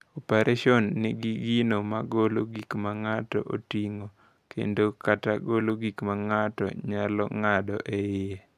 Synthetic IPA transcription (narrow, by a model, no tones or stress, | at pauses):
opeɾʔaʃɔnːɪɡiɡinomaɡoloɡikmaŋatɔ̰ʔotiŋo | kʰḛndokataɡoloɡikmaŋatɔ̰ɲalɔ̰ŋadɔ̰ʔeje